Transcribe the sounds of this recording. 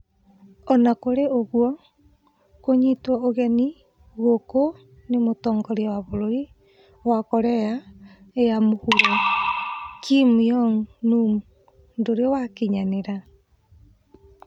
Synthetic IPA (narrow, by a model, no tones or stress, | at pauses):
ɔnakoɾeoɣwɔ | koɲitwɔoɣɛni | ɣoko | nemotɔːŋɡɔɾeawaβoɾoɾi | wakɔɾɛja | ejamohuɾo | kʰimiɔŋnum | ndoɾeɔwakiɲaneɾa